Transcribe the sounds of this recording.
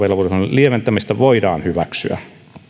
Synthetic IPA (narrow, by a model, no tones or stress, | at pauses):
elːɑʋusɑnlieʋent̪æmist̪æʋoidɑ̰ːnhyʋæksy̰æ̰